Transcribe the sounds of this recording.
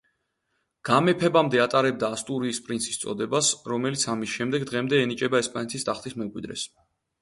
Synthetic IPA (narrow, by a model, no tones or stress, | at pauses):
ɡ̥amɛpʰɛbamd̪ɛat̪ʼaɾɛb̚d̪aːst̪ʼuɾiːspʼɾinsʰi̥st̪sʼɔ̰d̪ɛbasɾɔmɛlit̪sʰamisʃɛmd̪ɛɡd̪ʁɛmd̪ɛːnit͡ʃʼɛbaɛspʼanɛt̪ʰist̪ʼaχt̪ʰismɛmkʼwid̪ɾɛ̰s